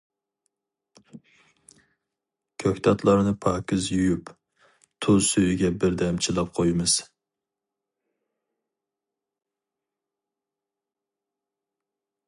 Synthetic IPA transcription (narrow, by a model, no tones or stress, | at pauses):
kʲʰøkʲt̪ʰɑt̪ʰlˠɑɾnɨpʰɑːkʲɪzjyjyp | t̪ʰosøjyɡʲɛbɪɾd̪ɛmt͡ʃʰilˠɑp̚qʰojmɨz̥